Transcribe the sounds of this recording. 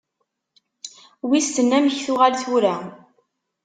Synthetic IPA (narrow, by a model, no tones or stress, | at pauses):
wist̪ənːæməçθʊʁalθuɾæ